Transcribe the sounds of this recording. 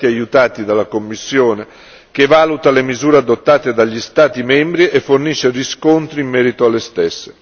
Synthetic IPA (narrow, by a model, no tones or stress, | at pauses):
t̪iajut̪aːt̪id̪alːakomːisːjoːne | k̟evaːlut̪alemizuːɾead̪ot̪ːaːt̪ed̪aʎːist̪aːt̪imɛmbɾiefːorniʃːeriskont̪ɾiːmːɛːɾit̪oalːest̪esːe